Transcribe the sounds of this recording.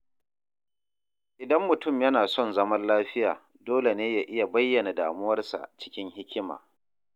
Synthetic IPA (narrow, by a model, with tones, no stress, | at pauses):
ʔɪ˨dɐ˦mːʊ˨tʊ˦˨mjɐ˦naː˨sɔ˦˨nzɐ˦mɐ˦nlaː˦ɸɪ˦ja̰ː˨ | doː˦le˨neː˦jaː˨ʔɪ˦ja˨bɐ˦jːɐ˨na˨daː˨mʊ˦wɐ˦rsa̰˨t͡ʃɪ̥˦kʲɪ˦ŋɦɪ˦kʲɪ˦ma̰ː˨